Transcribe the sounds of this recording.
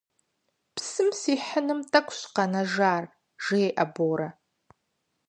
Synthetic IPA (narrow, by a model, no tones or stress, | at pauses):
psɨmsiːħənɨmtʰʼɐkʷɕqɐnɐʒaːr | ʒ̥ɪeʔɐboːɾɐ